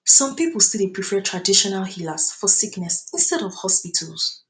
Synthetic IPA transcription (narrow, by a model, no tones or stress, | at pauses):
sɔ̃mpipulˠstilipɹifɛtʰɹadiʃɔnalˠhilasfɔsiknɛsĩnstɛɾɔv̥hɔspitʰəlˠs